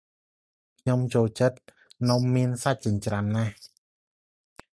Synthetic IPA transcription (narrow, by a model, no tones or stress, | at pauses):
kʰɲomt͡ɕoːlt͡ɕət̪̚ | nomːiənsat̪̚t͡ɕɨŋt͡ɕranːah